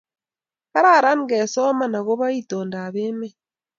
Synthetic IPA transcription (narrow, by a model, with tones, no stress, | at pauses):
ka˦ɾa˦˨ɾa˦ŋ˦ɡɛ˨sɔ˦ma˦na˨ɣo˦βa˦i˦to˨nda˨βe˦me˦